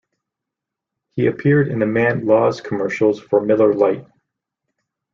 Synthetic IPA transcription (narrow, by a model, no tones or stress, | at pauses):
hiɨpʰɪɹɾɨ̰̃nɨmæ̃nlɔz̥kʰəmɜ˞ʃl̩ˠz̥fə˞mɪlˠə˞laɪt̚